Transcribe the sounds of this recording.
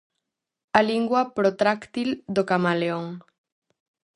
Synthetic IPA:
aliŋɡwapɾot̪ɾakt̪ild̪okamaleoŋ

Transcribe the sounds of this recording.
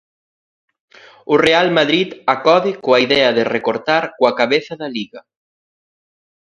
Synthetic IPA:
ʊrealmaðɾit̪akɔðɪkoaiðɛɐðɪrekoɾt̪aɾkoɐkaβeθɐðɐliɣɐ

